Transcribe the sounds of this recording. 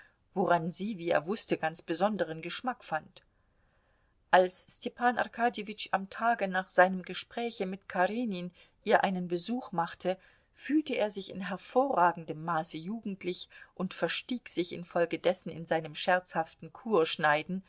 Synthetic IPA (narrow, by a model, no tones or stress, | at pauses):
voʁanziːviːḛːɐvʊstəɡant͡sb̥əzɔndəʁ̞ənɡəʃmakfant | ʔalsːtʰɛpaːnʔa̰ʁkʰaːdjevɪt͡ʃamtʰaːɡənaːχz̥aɪnəmɡəʃpʁ̥ɛːçəmɪtkʰaʁiːnin | ʔiːɐʔaɪnənbəzuːxmaχtʰə | fyːltəʔeːɐzɪçɪnɦɛɐfoːɐʁaːɡŋ̩dəmːaːsəjuːɡŋ̩tlɪçʔʊntfɛɐʃtiːkz̥ɪçɪ̰nfɔlɡədɛsn̩ɪ̰nzaɪnəmʃɛɐt͡shaftn̩kʰuːɐʃnaɪdn̩